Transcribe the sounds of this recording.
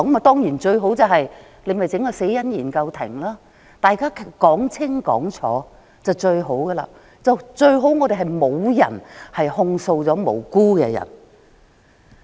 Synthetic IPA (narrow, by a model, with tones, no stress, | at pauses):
ɔ˨˥ma˨˧t̪ɔː˥ŋjiː˨˩nt͡ʃɵ˧ɥɦo˨˥wt͡sɐ˨wɦɐ˨j | le˨˧jmɐ˨jt͡sɪ˨˥ŋkɔː˧se˨˥jjɐ˥njiː˨˩nkɐ˧wt̪ʰɪ˨˩ŋlaː˥ | t̪aː˨jkaː˥kʰkɔː˨˥ŋt͡sʰɪ˥ŋkɔ̰ː˨˥ŋt͡ʃʰɔ̰ː˨˥ | t͡sɐ˨˩wt͡ʃɵ˧ɥɦo˨˥wɡɐ˧la̰ː˧ | t͡sɐ˨wt͡ʃɵ˧ɥɦo˨˥wŋɔ˨˧d̪e˨jɦɐ˨jmo˨˧wjɐ̰˨˩nhɐ˨jhʊ˧ŋso˧wt͡sɔː˨˥mo̰˨˩wkuː˥kɛ̰ː˧jɐ̰˨˩n